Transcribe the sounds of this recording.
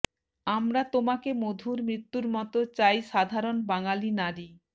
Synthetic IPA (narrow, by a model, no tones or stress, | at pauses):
amɾat̪omakemod̪ʱuɾmɾit̪ːuɾmɔt̪ot͡ɕajʃad̪ʱaɾonbaŋalinaɾi